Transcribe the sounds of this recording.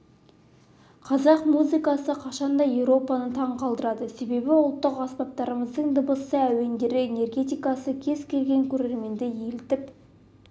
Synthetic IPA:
qʰɑzɑqmuzɨkɑsəqʰɑʃɑnd̪ɑje̞wɾo̞pɑnət̪ʰɑɴqʰɑlˠd̪əɾɑd̪əse̞be̞bɪʊlˠt̪ːəqɑspɑp̚t̪ɑɾəməzd̪əɴd̪əbəsəæwe̞nd̪e̞ɾɪene̞rɡʲe̞t̪ijkɑsəkʲʰe̞zkʲʰe̞lɡʲe̞ŋkʲʰɵɾe̞ɾme̞nd̪eje̞lt̪ɪp

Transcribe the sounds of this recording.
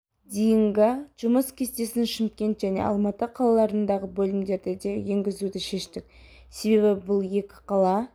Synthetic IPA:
d̪ejɪŋɡʲɪʒ̥ʊməskʲʰe̞st̪e̞sɪnʃɪmkʲe̞nt̪ʒæne̞̰ʔɑ̰lˠmɑt̪əqʰɑlˠɑlˠɑɾənd̪ɑʁəbɵlɪmd̪e̞ɾd̪ɪd̪eje̞ŋɡʲɪzud̪ɪʃe̞ʃt̪ɪk̚ʲ | se̞be̞βɪbʊlˠje̞kʲɪ̥qʰɑlˠɑ

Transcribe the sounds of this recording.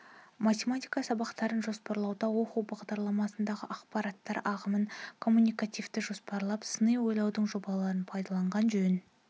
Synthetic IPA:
mat̪ʲemat̪ʲijkɑsɑbɑqt̪ɑɾənʒo̞spɑɾlˠɑwd̪ɑwo̞quwbɑʁd̪ɑɾlˠɑmɑsənd̪ɑʁəʔɑqpɑɾɑt̪ːɑɾɑʁəmənkʰo̞mːunijkat̪ʲijvt̪ɪʒo̞spɑɾlˠɑpsənəjwo̞jlˠɑwd̪əɴʒo̞bɑlˠɑɾənpʰɑjd̪ɑlˠɑɴʁɑnʒɵn

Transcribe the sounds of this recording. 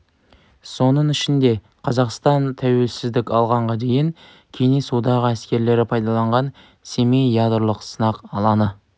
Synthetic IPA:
so̞nəɴɪʃɪnd̪e̞ | qʰɑzɑqst̪ɑnt̪ʰæwe̞lsɪzd̪ɪkʲɑlˠʁɑɴʁɑd̪e̞jɪŋ | kʲʰe̞nesud̪ɑʁəæskʲe̞ɾle̞ɾɪpʰɑjd̪ɑlˠɑɴʁɑn | seme̞jɑd̪ɾlˠəqsənɑqɑlˠɑnə

